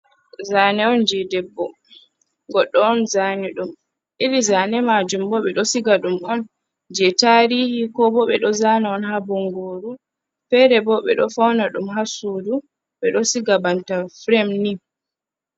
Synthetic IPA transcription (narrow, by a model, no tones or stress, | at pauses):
zaːnɛɔnd͡ʒɛdɛbːɔ | ɡɔɗːɔɔnzanɛɗum | ʔilizanɛmad͡ʒumbɔɓɛɗɔsiɡaɗumɔn | d͡ʒɛtaɾihikɔbɔɓɛɗɔzanaɔnhabɔŋɡoːɾu | fɛɾɛbɔɓɛ̰ɗɔfawnaɗumɦasudu | ɓɛɗɔsiɡabantafɾɛmni